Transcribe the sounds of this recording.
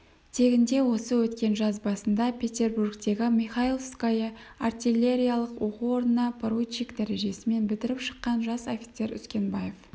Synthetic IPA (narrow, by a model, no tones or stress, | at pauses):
t̪ʰe̞ɡʲɪnd̪e̞wo̞səwɵt̪kʲe̞nʒɑzbɑsənd̪ɑpʰʲe̞t̪ʲe̞rburkt̪e̞ɡʲɪmiχailˠskajəart̪ʲilʲːe̞ɾʲijalˠəqwo̞quo̞ɾnənɑpʰoɾujt͡ʃikd̪æɾeʒe̞sɪme̞nbɪt̪ɪɾɪpʃə̥qːɑnʒɑso̞fʲi̥t̪se̞ɾʏ̰skʲe̞nbɑje̞f